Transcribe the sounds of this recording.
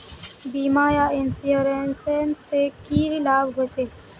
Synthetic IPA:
biːmaːjaːɪnsjoːɾensensekiːɾilaːbɡʱot͡ʃeː

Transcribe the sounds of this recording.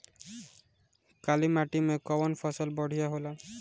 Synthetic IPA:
kalimaʈimekɔbɔnpʰɔsɔlbɔɽ̤ʱijaɦola

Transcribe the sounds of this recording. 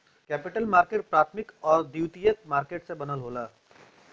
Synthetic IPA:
kɛːpiʈəlmaːɾkeːʈ̚pɾaːt̪ʰmɪkɔːɾd̪iwt̪ijək̪̚maːɾkeːʈsẽbənəlɦoːlaː

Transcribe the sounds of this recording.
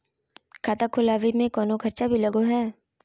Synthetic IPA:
kʰaːt̪akʰʊlaːwimẽkɔːnokʰɐɾt͡ʃabʱilɐɡoɦɛː

